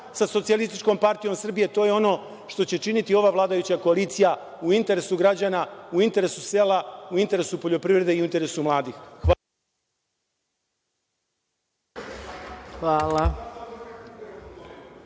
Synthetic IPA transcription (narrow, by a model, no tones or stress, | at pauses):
saso̞t̪sijalist̪it͡ʃko̞mpaɾt̪ijo̞msr̩bije̞t̪o̞ːje̞o̞no̞ | ʃt̪o̞t͡ɕe̞t͡ʃinit̪io̞ʋaːʋlˠaːd̪ajut͡ɕakoaliːt̪sija | uint̪e̞ɾe̞suɡɾad͡ʑaːnauint̪e̞ɾe̞suse̞ːlauint̪e̞ɾe̞supo̞ʎo̞pɾivɾe̞d̪e̞iunt̪e̞ɾe̞sumlˠaːd̪ixx | xʋaːla